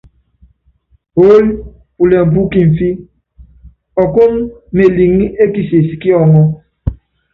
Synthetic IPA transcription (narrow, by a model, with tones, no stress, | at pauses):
o˦li˦ | pu˨le˨m̩˨p̬u˦ki˨m̩˨fi˦ | ɔ˨ko˦m̩˦me˨li˨ŋ˦i˦ʔe˦ki˨se˨si̥˨ki˦ɔ˨ŋɔ˦